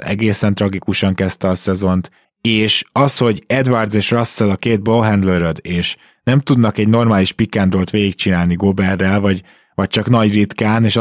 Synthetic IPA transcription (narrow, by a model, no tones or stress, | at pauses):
ɛ̰ɡeːsɛnt̪rɒɡikuʃɒŋkɛst̪ɛɒsɛzo̞nt̪ | eːʃɒsho̞ɟɛd̪vard̪zeːʃrɒsːɛlɒkeːd̪̚bolɦɛnd̪løɾød̪eːʃ | nɛmt̪ud̪nɒkɛɟno̞rmaːliʃpikːaːnd̪roːlt̪ʋeːɡikt͡ʃinaːlniɡo̞bɛrːɛlvɒɟ | vɒc̚t͡ʃɒknɒɟrit̪kaːneːʃ